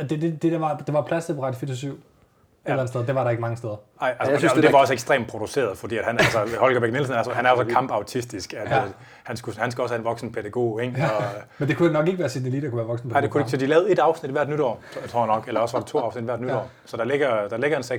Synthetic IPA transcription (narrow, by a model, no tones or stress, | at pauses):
d̥eded̥ed̥ɑ̈d̥e̝ʋɑ̈pʰlæsebʁɑd̥fiesyʊ̰ | ellæn̩steðˠd̥e̝ʋɑ̈ɾɑ̈e̝ɡ̥mɑ̈ŋəsteðˠɐ | ɑ̈ɪ̰ælsə̥sysd̥eʋɑ̈ɒseɡ̥sd̥ʁḛːmpʰʁo̝duse̝̰ːɐð̞ˠfɒd̥ḭːæd̥hænælsəhɒ̽lɡ̥ɐb̥eɡ̥nelsn̩æɐsɒhænæɐsɒ̽kʰɑ̈mb̥ɑ̈ʊt͡sʰisd̥isɡ̥æd̥ | hænsɡ̥uhænsɡ̥uɒshæenʋɒ̽ɡ̥sn̩pʰeɾ̥æɡ̥o̝̰ːeŋɒmend̥e̝kʰudænɒ̽ɡ̥e̝ɡəʋæːɐsid̥elḭd̥ɑkuʋæːɐʋɒ̽ɡ̥sn̩pḛd̥ekʰu̥esɒ̽d̥ilɛːʊð̩ˠe̝d̥ɑ̈ʊsnid̥ʋæɐ̰d̥nyɾ̥ɒ̰ː | t͡sʰʁo̰jnɒ̽ɡ̥elɐɒsʋɑ̈ɾ̥e̥t͡sʰo̝̰ːɑ̈ʊsnid̥ʋæɐ̰d̥nyɾɒ̰ː | sɒ̽d̥ɑ̈leɡ̥ɐd̥ɑ̈leɡ̥ɐenseɡ